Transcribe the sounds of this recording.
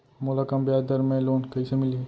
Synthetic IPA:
mʊlaːkəmbjaːd̪əɾmẽloːnkɐisemɪlie

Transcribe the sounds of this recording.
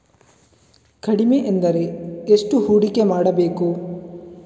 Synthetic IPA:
kɐɽimeʔend̪ɐɾe̞esʈuɦuːɽikemaːɽɐbeːku

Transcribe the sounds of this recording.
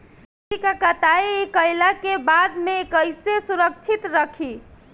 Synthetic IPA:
ikəkat̪aiekəjlakebad̪meːkəjsesuɾəkt͡ʃʰit̪ɾəkʰi

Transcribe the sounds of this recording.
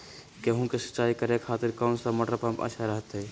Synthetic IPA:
keɦũkesə̥tːt͡ʃaikəɾekʰat̪iɾkənsəməʈɾəpãmpə̰ʃʰaɾəɦt̪ɛ

